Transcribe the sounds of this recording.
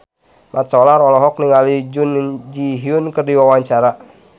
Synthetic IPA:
mʔat̪sɔlaɾɔlɔɦɔk̚niŋalid͡ʒund͡ʒiɦiunkɨrdiwawaɲt͡ʃaɾa

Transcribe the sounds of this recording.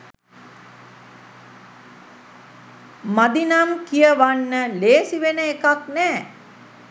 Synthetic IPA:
mad̪inamkijəʋanːəleːsiʋenəekaknɛː

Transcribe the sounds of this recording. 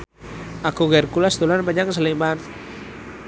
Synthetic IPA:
akuɣɛrkulasd̪ulanbaɲaksalimban

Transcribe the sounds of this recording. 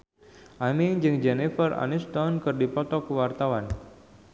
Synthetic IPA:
ʔamiŋd͡ʒɨŋd͡ʒɛnifəra̰nist̪ɔnkɨrdipɔt̪ɔkəwart̪awan

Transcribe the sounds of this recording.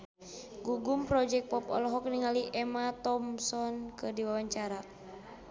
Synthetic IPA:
ɡuɡumpɾɔd͡ʒɛk̚pɔpɔ̰lɔɦɔk̚niŋaliʔɛmat̪ɔmsɔnkɨrdiwawaɲt͡ʃaɾa

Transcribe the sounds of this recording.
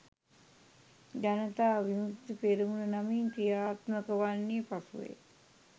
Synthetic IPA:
d͡ʒanət̪aːʋimut̪ipeɾimulənamiŋkɾijaːt̪məkəʋanːipasuʋḛ

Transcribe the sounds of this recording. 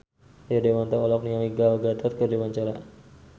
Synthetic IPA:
adewant̪aɔlɔk̚niamiɡalɡat̪ʰɔt̪̚kədewaɲt͡ʃaɾa

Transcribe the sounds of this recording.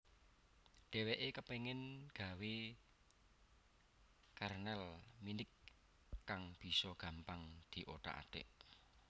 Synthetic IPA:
ɖ̪̥eweʔekəpeŋɪnɡ̥ä̤we | karnɛlminɪkː | aŋb̥i̤sɔɡ̥ä̤mpaŋd̪̥i̤ʔoʈa̰ʔa̰d̪̥ɛ̰ʔ

